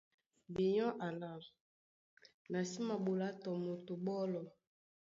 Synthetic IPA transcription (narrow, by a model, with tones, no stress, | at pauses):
bi˨ɲɔ˦ʔa˨la˨ | na˨si˦ma˨bu˨la˦tɔ˨mo˨tu˨bɔ˦lɔ˨